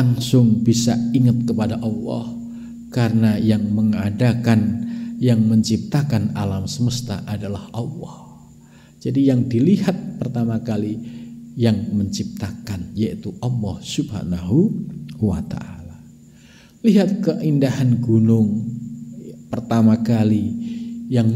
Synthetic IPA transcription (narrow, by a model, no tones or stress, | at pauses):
laŋsʊŋbisaiŋət̪̚kəpadaʔɑlːɔ̰h | kaɾənajaŋməŋadakanjaŋməɲt͡ʃip̚t̪akana̰lamsəməst̪a̰ʔadalahʔɑlːɔh | d͡ʒadijaŋdiliɦat̪̚pərt̪amakalijaŋməɲt͡ʃip̚t̪akanjait̪uʔɑlːɔhsubha̰naɦuwa̰t̪a̰ʔala | liɦat̪̚kəʔindahanɡunʊŋ | pərt̪amakalijaŋ